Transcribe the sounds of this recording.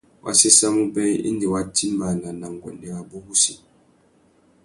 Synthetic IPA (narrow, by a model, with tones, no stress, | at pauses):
wʔa̰˨si˦sa˦mu˦bɛ˦ḭ˦n˦di˨wa˨ti˦ma˨na˨na˨ŋ˨ɡɔ̰˨nɛ˦ɣa˨bɔ˦bu˦si˨